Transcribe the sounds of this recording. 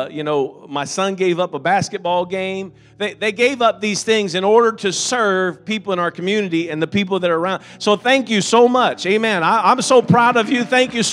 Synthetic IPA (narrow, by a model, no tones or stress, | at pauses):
jɨnoʊmaɪsʌ̃nɡeɪvʌpəbæskɨt̚b̥ɔlˠɡẽɪ̃m | ðeɪðeɪɡeɪvʌp̚ðiz̥θɪ̃ŋzɨ̃nɔɹɾə˞ɾɨsɜ˞v̥pipl̩ˠə̃ñaʊə˞kʰmjʉnɨɾiɨ̃nðɨpip̬l̩ˠðəɾəəː˞ãʊ̃nd̥soʊθæ̃ŋkjɨsoʊmʌt͡ʃeɪmæ̃naɪãɪ̃msoʊpʰɹ̥aʊɾʌvjɨθæ̃ŋkjɨ